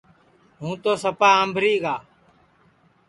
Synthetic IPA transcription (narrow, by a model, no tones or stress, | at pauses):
ɦũːt̪oːsəpaːəmbʱɾiːɡaː